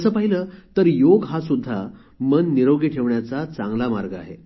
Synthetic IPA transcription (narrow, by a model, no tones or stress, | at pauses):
əsəːpaɦilət̪əɾjoɡɦasud̪ʱːa | mənːiɾoɡiʈʰeʋɳjat͡sat͡sãŋɡlamaɾɡəa̰ɦḛ